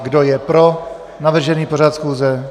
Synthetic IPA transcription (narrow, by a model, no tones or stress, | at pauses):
ɡdo̞jɛpɾo̞ | navr̩ʒɛniːpo̞ɾat̪sxuːzɛ